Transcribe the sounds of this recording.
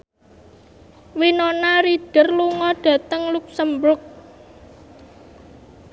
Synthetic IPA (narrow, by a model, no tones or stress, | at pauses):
winonaɾiɖ̥ə̤rluŋɔɖ̥ä̤t̪əŋluk̚səmbɾʊk̚